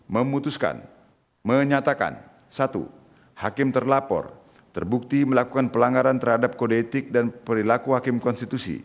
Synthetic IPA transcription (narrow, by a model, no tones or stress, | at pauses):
məmut̪uska̰n | məɲat̪aka̰n | sat̪ṵ | hakɪmt̪ərlapɔ̰r | t̪ərbuk̚t̪iməlakukanpəlaŋɡaɾant̪ərhadap̚kodet̪ɪk̚danpəɾilakuhakɪmkɔnst̪it̪usḭ